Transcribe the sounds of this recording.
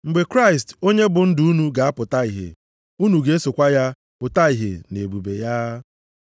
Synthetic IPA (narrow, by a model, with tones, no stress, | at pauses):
ŋ͡m̩˨ɡ͡be˨kɾa˦ɪ˨s̬to˦ɲe˦bʊ˨n̩˦dʊ˨u˦nu˨ɡa˨a˦pʊ˨ta˦i˨ɦḛ˨ | u˦nu˨ɡe˦so˨kʷa˦ja˦ | pʊ˨ta˦i˨ɦḛ˨ne˨bu˨be˨ja˦